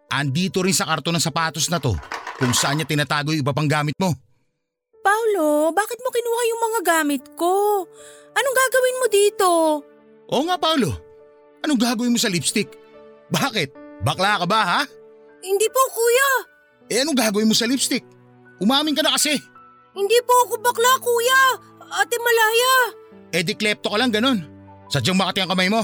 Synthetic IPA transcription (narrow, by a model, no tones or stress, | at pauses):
ʔɐ̰nd̪iːt̪o̞ɾɪnsɐkaɾt̪o̞nɐŋsɐpaːt̪o̞snɐt̪o̞̰kʊŋsɐʔanɲːat̪ɪnaːt̪aːɡo̞joŋʔɪbpapɐŋɡaːmɪt̪̚mo̞ | pawlobaːkɪt̪̚mokɪnuːajʊŋmɐŋaɡaːmɪt̪̚ko | ʔɐnoŋɡaːɡɐwɪnmod̪iːt̪o̞ | ʔo̞ːŋapawlo̞ | ʔɐnoŋɡaːɡɐwɪnmo̞sɐlɪpst̪ɪk̚baːkɪt̪̚bɐklakɐbaɦa | hɪnd̪ipokuːja | ʔɛʔɐnoŋɡaːɡɐwɪnmosɐlibst̪ɪk̚ | ʔʊmaːmɪŋkɐnɐkɐsɪ | hɪnd̪ipoɐkobɐklakuːja | at̪ɛmɐlaːjaʔɛd̪ɪklɛp̚t̪okɐlaŋɡɐno̞nsɐd͡ʒaŋmɐkɐt̪ɪɐŋkɐmajmo̞